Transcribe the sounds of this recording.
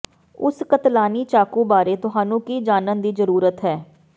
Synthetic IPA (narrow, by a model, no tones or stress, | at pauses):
ʊskət̪laːniːt͡ʃaːkuːbaːɾeːt̪ʊɦaːnũːkiːd͡ʒaːnənd̪iːzəɾuːɾət̪ɦɛː